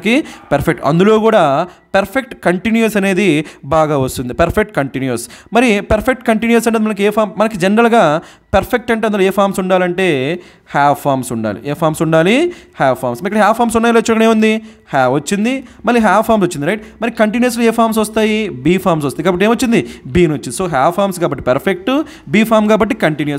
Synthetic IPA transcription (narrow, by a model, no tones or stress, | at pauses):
kipɐɾpʰek̚ʈɐ̰nd̪ulo̞ːkuːɽaː | pɐɾpʰek̚ʈkɐɳʈinjɐsɐne̞ːd̪ibaːɡaːʋɐst̪und̪ipɐɾpʰek̚ʈ̚kɐɳʈinjɐsmɐɾipɐɾpʰek̚ʈkɐɳʈinjɐs̬ɐɳʈeːd̪mɐnɐk̬ieːpʰaːmmɐnɐkid͡ʒɛnɾɐlɡaː | pɐɾpʰek̚ʈɐɳʈeɐnloeːpʰaːɾmsuɳɖaːlɐɳʈe̞ː | haːpʰːaːɾmsuɳɖa̰ːlḭeːpʰaːɾmsuɳɖaːlihaːʋpʰːaːɾmsɐɾikːɐɽɐɦaːpʰːaːɾmsuɳɖaːjɐlɐt͡ʃːinɐkɐɽeːmund̪ihaːʋɐt͡ʃːind̪imɐlːiɦaːpʰːaːɾmsot͡ʃːind̪ɾɐjʈmɐɾikɐɳʈinjɐɾs̬loːeːpʰaːɾms̬ɐst̪aːjibiːpʰaːɾmsɔst̪ːikaːbɐʈ̬ːeːmʋɐt͡ʃːind̪ibiːnot͡ʃːindiso̞ːɦaːwpʰaːɾmskaːbɐʈːi̥pɐɾpʰek̚ʈu | biːpʰaːɾmkaːbɐʈːikɐɳʈinjɐs